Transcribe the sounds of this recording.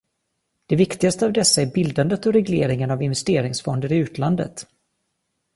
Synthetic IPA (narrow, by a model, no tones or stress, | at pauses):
d̪̥ɛvɪkt̪ɪɡast̪əavd̪ɛsːaæɾbɪld̪and̪ət̪ɔɾɛɡleːɾɪŋənavɪnvɛst̪eːɾɪŋsfɔnd̪əɾɪʉ̟ːt̪land̪ə̰t̪